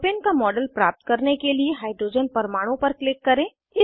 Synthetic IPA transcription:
peːnkamɔːɖəlpɾaːp̚t̪kɐɾnekelieɦaːɪɖɾoːd͡ʒənpɐɾmaːɽ̃õpɐɾklɪkːɐɾẽː | ɪ

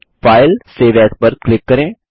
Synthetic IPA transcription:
fʰaːɪlseːʋɛːspəɾklɪkːəɾẽː

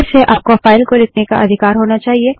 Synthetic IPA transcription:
ɾseʔaːp̚kofaːɪlkolɪkʰneka̰ʔɐd̪ʱɪkaːɾɦoːnat͡ʃaːɦie

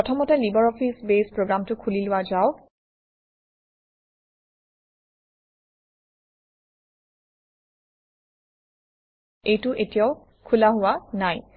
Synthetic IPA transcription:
ɔtʰɔmɔtɛlibɔɹɔpʰisbespɹoɡɹamtʊkʰulilʊwazaʊ | ejtʊʔetijaʊ | kʰulaɦʊwanaj

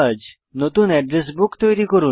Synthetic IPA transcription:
ad͡ʑ | not̪unɛɖɾes̬bukt̪ojɾikoɾu

